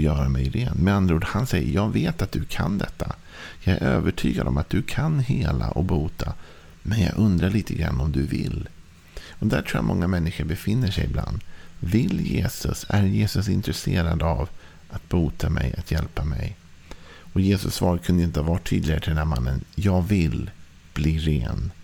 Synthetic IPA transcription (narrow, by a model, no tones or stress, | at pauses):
jœːɾamɛjɾenmɛnand̪ɾuːd̪hansɛjːəɾjɑːɡveːt̪at̪̚d̪ɵkʰand̪ɛt̪ʰːa | jɑːɡæɾʔøːvəʈʰyːɡad̪ɔmat̪̚d̪ɵkʰanheːlaʔɔkbuːt̪ʰa | mɛnjɑ̰ːɡɵnd̪ɾaɭiːt̪ʰəɡɾa̰nːɔmd̪ɵvɪlː | ɔd̪æɾʈʰuːja̰mɔŋːamɛnːɪɧəɾbɛfɪnːəʂɛjɪbla̰nd̪vɪljeːsɵsæɾjeːsɵsɪnt̪ɾɛseːɾad̪av | ʔat̪̚buːt̪ʰamɛjat̪jɛlpamɛj | ɔjeːsɵsːvɑːɾakʰɵnd̪əɪnt̪əhavɑʈ̪ʰːyːd̪lɪɡaɾət̪ʰɪld̪ɛnhæɾmanːənjɑːɡvɪl | b̥liːɾeːn